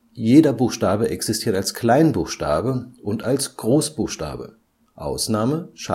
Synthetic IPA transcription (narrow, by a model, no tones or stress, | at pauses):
jeːdɐbuːxʃtaːbəʔɛksistʰiːɐtalsklaɪnbuːxʃta̰ːbəʔʊntalsɡ̥ʁoːsb̥uːxʃta̰ːbə̰ | ʔa̰ʊsnaːməʃa